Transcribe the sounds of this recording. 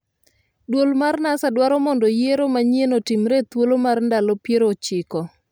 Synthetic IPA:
dwolmarnasadwaɾɔmɔndɔjeɾomaɲenotimɾet̪wolomarndalopjeɾot͡ʃɪkɔ

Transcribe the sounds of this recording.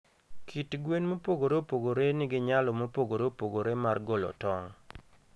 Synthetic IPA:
kʰitɡwenmopoɡoɾeopoɡoɾenɪɡɪɲalɔmopoɡoɾeopoɡoɾemarɡolɔ̰tɔŋ

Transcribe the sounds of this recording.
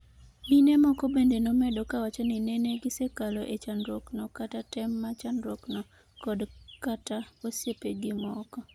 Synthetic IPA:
ninɛmɔkɔbendenomɛdɔkawat͡ʃɔnineneɡɪsekalɔʔet͡ʃanɾoknɔkatatɛmːat͡ʃanɾɔknɔ | kɔdkataosepeɡɪmɔkɔ

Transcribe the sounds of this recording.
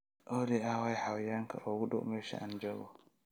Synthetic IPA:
ʔɔdɛawajhawjaŋka̰ʔɔwuɗɔ̰mɛʃa̰and͡ʒɔɡɔ

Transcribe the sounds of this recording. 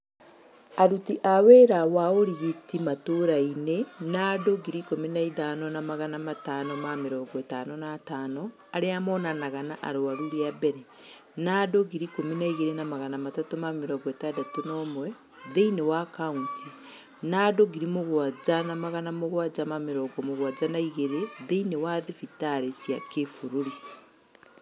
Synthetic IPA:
aɾutiʔaweɾawaoɾiɣitimatoɾainenadoɡiɾikominaiðanɔnamaɣanamatanɔmameɾɔːɡɔetanɔnaːtaːnɔ | aɾeamɔnanaɣanaʔa̰ɾoaɾuɾeabɛɾe | nadoɣiɾikominaiɣeɾenamaɣanamatatomameɾɔŋɡɔetadatonɔmwɛ | ðeinewakauntʰi | nadoɡiɾimoɣwad͡ʑanamaɣanamoɣwad͡ʑamameɾɔːŋɡɔmoɣwad͡ʒanaiɣeɾeðeinewaðefitaɾesjakefoɾoɾi

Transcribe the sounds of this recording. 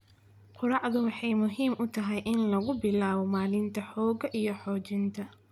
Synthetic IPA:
qʊɾɑʕðʊwɑħɑjmʊɦiːmʔʊt̪ʰɐɦɛjʔɪnlɐɣʊbɪlaːβɔmaːlɪnt̪ʰɐħɔːɡɐʔijɞħɔːt͡ʃɪnt̪ʰɐ

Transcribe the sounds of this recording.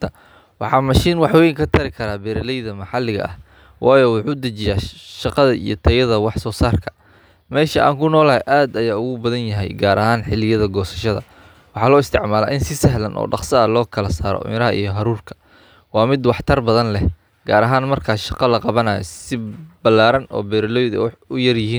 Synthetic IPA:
wɑħɑːmɐʃiːnwɑħwɛjŋkʰɐt̪ʰɐɾɪkʰɐɾaːbɛɾɐlɛjðɐmɑħɑlɪɣɐ̰ʔɐ̰h | wʔɑːjɔːwɑħuːd̪ɐt͡ʃɪjaːʃɑqɑðɐʔḭjɞt̪ʰɐjɐðɐwɑħsɔːsaːrkʰɐ̥ | mɛːʃɐʔa̰ːŋkʰʊnɔːlɐɦɛʔaːd̪ɐjaːʊɣʊbɐðɐnjɐɦɛ̰jɡaːɾʔɐɦaːnħɪlɪjɐðɐɡɔːsɐ̥ʃɐðɐ̰ | wɑħɑːlɔːɪst̪ʰɪʕmaːla̰ːʔɪnsɪsɐɦlɐnʔɔ̰ːɖɑqsɐɐlɔːkʰɐlɐsaːɾɔ̰mɪɾɐɦɐʔḭjɞɦɐɾuːrkʰɐ̥ | wɑːmɪd̪wɑħt̪ʰɐrbɐðɐnlɛh | ɡ̥aːɾɐɦaːnmɐrkʰaːʃɑqɑlɐqɑβɐnaːjɔ̰sɪbɐlːaːɾɐnɔ̰ːbɛːɾɐlɔjðɐʊjɐrjɪɦiːn

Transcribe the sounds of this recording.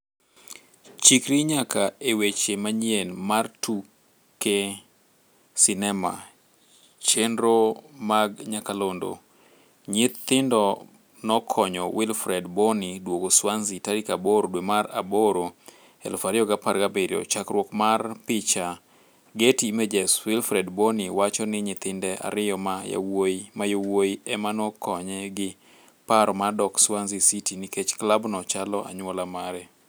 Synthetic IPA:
t͡ʃikɾiɲakaewet͡ʃemaɲjenmartu | ke | sɪnɛma̰ | t͡ʃenɾomaɡɲakalondo̰ | ɲɪt̪ːɪndɔ | nɔkʰɔɲɔwɪlfɾɛdbonidwokoswanzitaɾikaboɾodwemaɾa̰boɾo | ɛ̰lfaɾɪɔɡapaɾɡabeɾiɔ̰t͡ʃakɾwɔkmarpɪt͡ʃa | ɡetimed͡ʒɛswɪlfɾɛdboniwat͡ʃɔnɪɲɪt̪ɪndɛʔa̰ɾɪjɔmaja̰wojmajowojiɛmanɔkʰɔɲɛɡɪ | paɾɔmadɔkswanzisitiniket͡ʃklabnɔt͡ʃalɔa̰ɲwɔlamaɾɛ

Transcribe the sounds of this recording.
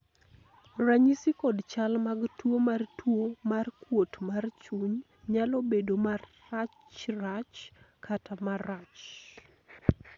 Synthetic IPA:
raɲisikɔdt͡ʃalmaɡtwomartwomarkwotmart͡ʃuɲ | ɲalobedomarːat͡ʃrat͡ʃ | kʰatʰamarat͡ʃ

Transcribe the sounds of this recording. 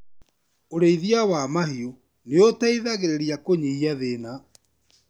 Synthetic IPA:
oɾeiðiawamahio | neotaiðaɣeɾeɾiakoɲiiaðena

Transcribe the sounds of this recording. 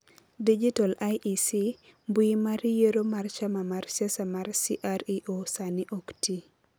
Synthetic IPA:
did͡ʒitalajʔisi | mbwimaɾjeɾomart͡ʃamamarsasamarsiʔaɾiʔosaniʔokti

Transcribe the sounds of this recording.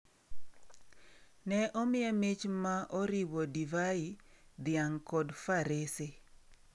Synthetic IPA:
nɛʔɔmɪjɛmɪt͡ʃmaʔɔɾiwɔdivaid̪ɪaŋkɔdfaɾese

